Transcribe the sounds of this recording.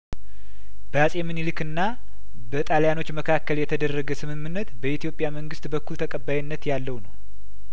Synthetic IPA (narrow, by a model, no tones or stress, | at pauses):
bəasʼemɨnilɨkɨnːa | bət̪ʼaljano̞t͡ʃːməkʰakːəljɛt̪ʰəd̪ərːəɡəsɨmɨmːɨnːət̪bəit̪ijo̞pʼjaməŋɡɨst̪bəkːult̪ʰəkʼəbːajnːət̪jalːəwunəw